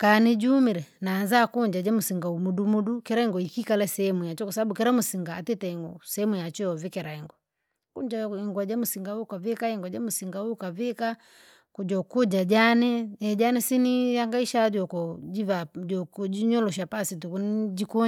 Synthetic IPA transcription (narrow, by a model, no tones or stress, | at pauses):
kanid͡ʒuumiɾɛnaːnzakuɲd͡ʒad͡ʒamusiŋɡaumudumudukɛɾaiŋɡɔikikalɛsɛɛmujat͡ʃɔkwasababukɛɾamusiŋɡaːtɛtɛiŋɡɔsɛɛmujat͡ʃɔɔvikɛɾaiŋɡɔ | kuɲd͡ʒaiŋɡwad͡ʒamusiŋɡaukavɛkaiŋɡwad͡ʒamusiŋɡaukavɛka | kud͡ʒɔkɔd͡ʒad͡ʒanɛɛd͡ʒanɛsinijaŋɡaiʃad͡ʒɔkɔd͡ʒivad͡ʒɔkɔd͡ʒiɲɔlɔʃ̬apasitukund͡ʒikɔ